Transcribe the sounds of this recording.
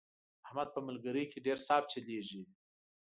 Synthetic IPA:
ahmad̪̚pəməlɡəɾəjkʰeɖeɾsɑb̚t͡ʃeleʒi

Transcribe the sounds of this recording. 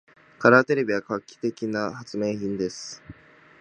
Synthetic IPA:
kaɾaːt̪e̞ɾe̞bʲiɡakakʲːi̥t̪e̞kʲinahat͡sɨme̞ːçĩnd̪e̞sɨ̥

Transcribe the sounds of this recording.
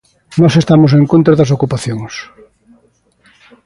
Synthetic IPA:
nɔsest̪amos̬eŋkõnt̪ɾɐðɐs̬okupaθjoŋs

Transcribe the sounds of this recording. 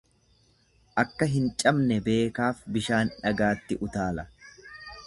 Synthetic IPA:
ʔɐkːɐɦɪnt͡ʃʼɐmnɛbe̞ːkaːfbɪʃaːnᶑɐɡaːt̪ːɪʔʊt̪aːlɐ

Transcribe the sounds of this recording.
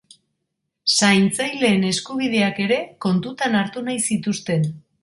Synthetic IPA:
sajnt͡sajle̞ːne̞skuβ̞ið̞e̞ake̞ɾe̞ko̞nt̪ut̪anaɾt̪unajsit̪ust̪e̞n

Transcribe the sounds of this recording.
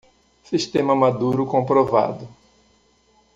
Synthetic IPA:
siʃt̪ẽmɐmad̪uɾʊkõpɾova̰d̪ʊ

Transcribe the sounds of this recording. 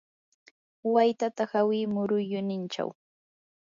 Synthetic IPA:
wajt̪at̪ahawɪːmʊɾʊjʊnɪnt͡ʃa̰w

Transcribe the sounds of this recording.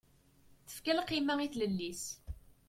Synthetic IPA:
θə̥fkælqːimæiθləlːis

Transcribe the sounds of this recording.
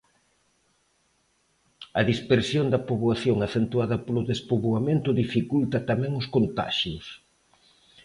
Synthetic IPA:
ɐðispeɾsjond̪ɐpoβwaθjoŋaθent̪uaðɐpolʊðespoβwamẽnt̪ʊðifikult̪ɐt̪amɛ̃ŋʊskont̪a̰ʃjʊs

